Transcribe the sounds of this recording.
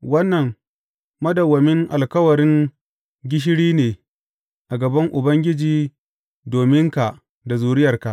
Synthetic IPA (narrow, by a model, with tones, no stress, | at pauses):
wɐ˦nːɐ˨ŋ | mɐ˦dɐ˨wɐ˨mɪ˦ŋʔa̰˨lkɐ˦wɐ˨ɾɪ˦ŋ | ɡʲɪ˦ʃ̬ɪ˦ɽiː˦neː˨ | ʔa˨ɡɐ˨bɐ˦ŋʔʊ˨bɐ˦ŋɡʲɪ˦d͡ʒiː˨ | doː˨mɪ˦ŋka˨ʔ | da˨zuː˨ɾɪ˦jɐ˨rka˨ʔ